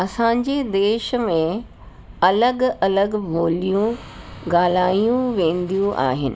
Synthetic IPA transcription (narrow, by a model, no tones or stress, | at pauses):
ɐsãɲd͡ʑed̪eːʃə̆mẽ | ɐləɡɐləɡʋoːlijũ | ɡaːl̤aːijũʋẽːn̆d̪ijũʔa̰ːɦɪnɪ̆